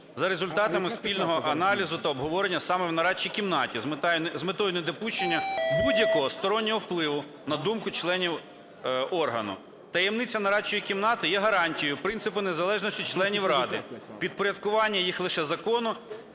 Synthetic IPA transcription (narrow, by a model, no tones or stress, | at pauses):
zɐɾezʊlʲt̪ɑt̪ɐmɪspʲilʲnɔɦɔʔɐnɑlʲizʊt̪ɐɔbɦɔʋɔɾenʲːɐsɑmɛwnɐɾɑt͡ʃːikʲimnɑtʲizmzmet̪ɔjʊned̪ɔpuʃt͡ʃenʲːɐbudʲjɐkɔɦɔst̪ɔɾɔnʲːɔɦɔwplˠɪʋʊ | nɐd̪umkʊt͡ʃlˠɛnʲiw | ɔrɦɐ̰nʊ̰ | t̪ɐjemnɪt͡sʲːɐnɐɾɑt͡ʃɔjikʲimnɑt̪ɪjɛɦɐɾɑnʲtʲijʊpɾɪnsɪpɪnezɐlˠɛʒnɔsʲtʲit͡ʃlˠɛnʲiwrɑd̪ɪpʲid̪̚pɔɾʲɐd̪̚kʊʋɑnʲːɐjixlˠɪʃɛzɐkɔnʊ